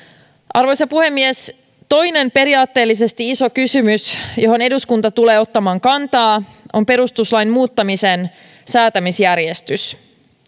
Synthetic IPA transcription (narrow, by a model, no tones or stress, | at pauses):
ʔɑrʋo̞jsɑpuhe̞mːies | t̪o̞jne̞mpe̞ɾiɑːt̪ːe̞ːlːis̬e̞st̪iisokysymysjo̞ɦo̞ne̞duskunt̪ɑt̪ule̞ːo̞t̪ːɑmɑːŋkɑnt̪ɑːʔo̞mpe̞ɾust̪uslɑjnmuːt̪ːɑmisen | sæːt̪æmisjærjest̪ys